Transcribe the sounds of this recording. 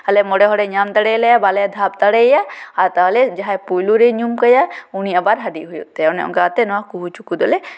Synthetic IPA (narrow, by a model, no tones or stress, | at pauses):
həlɛmɔɽɛɦɔɽɛɲamt̪aɽɛlɛjabalɛd̪ʱabt̪aɽɛjaaɾt̪aɦɔlɛd͡ʒaɦajpujluɾeɲumkɔjauniabaɾɦaɖiɦujut̪ɛɔnɛɔ̰ŋɡat̪ɛnɔwakuɦut͡ʃukud̪ɔlɛ